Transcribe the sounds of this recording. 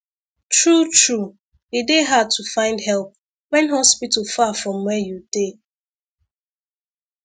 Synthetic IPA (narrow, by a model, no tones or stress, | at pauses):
tɹutɹu | edeɦatʰufãɪ̃ndɦɛlˠp̚ | wɛ̃nɦɔspitəfafɹɔ̃mwɛjud̥e